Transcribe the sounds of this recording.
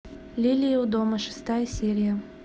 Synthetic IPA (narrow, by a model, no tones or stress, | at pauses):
lʲilʲijəud̪oməʂɨ̥st̪ajəsʲeɾʲɪjə